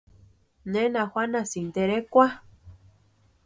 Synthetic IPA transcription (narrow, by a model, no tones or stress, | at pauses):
nẽnãxwʷanasind̪eɾekʷa